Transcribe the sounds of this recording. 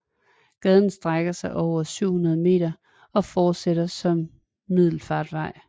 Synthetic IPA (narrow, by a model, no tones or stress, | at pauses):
ɡ̥ɛːð̞ˠn̩sd̥ʁaɡ̥ɐsɑ̈ɪʔɒʊ̰ɐsyʊ̰hunɐð̞ˠəme̝̰ːd̥ɐ | ɒ̽fɒːd̥seɾɐsɒ̽mː | ið̞̰ˠl̩fɑ̈ːd̥ʋɑ̈ɪ̰